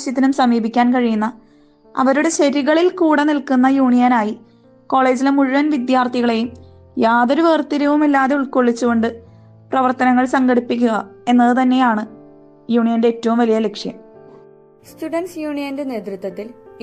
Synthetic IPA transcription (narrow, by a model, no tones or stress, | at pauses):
ɕjɐt̪ːinumsɐmiːbikʲːaːnkɐɻijunːɐ | ɐ̰ʋɐɾuɽe̞ɕɐɾiɣɐɭilkuːɽenilkunːɐjuːɳijɐnaːji | ko̞ːɭe̞ːd͡ʑilemuɻuʋɐnʋid̪jaːrt̪ʰiɣɐɭe̞jum | jaːðoɾuʋeːrt̪iɾɐʋumilːaːðe̞uɭkoɭːit͡ɕːuɣo̞ɳɖɨ | prɐʋɐrt̪ɐnɐŋːɐɭsɐŋɡɐɽipːikʲːuɣɐe̞nːɐðɨt̪ɐnːe̞jaːɳɨ | juːɳijɐnde̞ːtːɐʋumʋɐlijɐle̞kʂjɐ̰m | stuɖɐnsjuːɳijɐnde̞neːt̪rut̪ʋɐt̪ːil